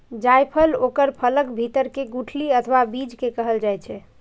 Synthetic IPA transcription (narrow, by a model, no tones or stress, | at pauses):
d͡ʒajpʰəlokəɾpʰələkbʱit̪əɾkeɡuʈʰliət̪ʰʋabid͡ʒkekəɦəld͡ʒajt͡ʃʰɛ